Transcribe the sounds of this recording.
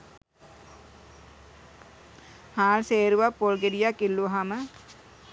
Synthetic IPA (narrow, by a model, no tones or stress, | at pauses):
haːlseːɾuʋapːolɡeɾijakilːuɦamə